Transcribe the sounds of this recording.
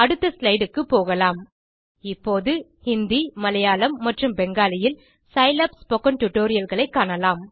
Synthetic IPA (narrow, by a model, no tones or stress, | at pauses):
ɐɽɯt̪ːɐslɐɪɽɯkːɯpːoːɣɐlaːm | ɪpːoːðɯhɪnd̪imɐlɐjaːlɐmːɐʈrɯmbɛŋɡaːlɪjɪl | sɐɪlɐpspɔkːɐnʈʊʈoːɾɪjɐlɣɐɭɐɪkːaːɳɐlaːm